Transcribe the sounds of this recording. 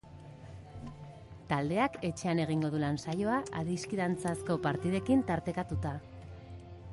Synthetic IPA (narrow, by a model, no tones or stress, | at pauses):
t̪ald̪e̞ake̞t͡ʃe̞ane̞ɣ̞iŋɡo̞ðulansajo̞aʔaðiskiðant͡sasko̞paɾt̪iðe̞kint̪aɾt̪e̞kat̪ut̪a